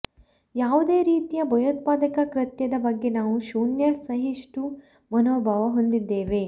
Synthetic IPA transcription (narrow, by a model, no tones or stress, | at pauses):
jaːʋud̪eːɾiːt̪ijɐbʱɐjoːt̪̚paːd̪ɐkɐkɾɐt̪jɐd̪ɐbɐɡːe̞naːʋuʃuːɳjɐsɐɦiʂʈu | mɐnoːbʱaːʋɐɦond̪id̪ːe̞ːʋe̞